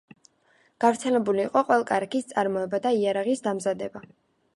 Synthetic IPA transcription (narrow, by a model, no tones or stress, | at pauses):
ɡ̥avɾt̪sʰɛlɛbuliːqʼɔqʼwɛlˠakʼaɾakʰist̪sʼaɾmɔɛbad̪aiaɾaʁisd̪amzad̪ɛba